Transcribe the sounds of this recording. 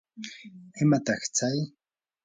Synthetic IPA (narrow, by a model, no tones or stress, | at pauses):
ɪmat̪ɑχt͡saj